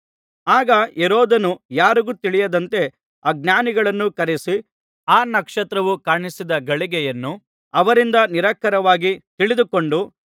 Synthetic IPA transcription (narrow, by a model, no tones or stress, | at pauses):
aːɡɐeɾɔːd̪ɐnujaːɾiɡuːt̪iɭijɐd̪ɐnt̪e̞ | aːɡ̚naːniɡɐɭɐnːukɐɾesi | aːnɐkʂɐt̪ɾɐʋukaːɳisid̪ɐɡɐɭiɡɛjɐnːu | ɐʋɐɾind̪ɐniɾɐkːɐɾɐʋaːɡit̪iɭid̪uko̞ɳɖu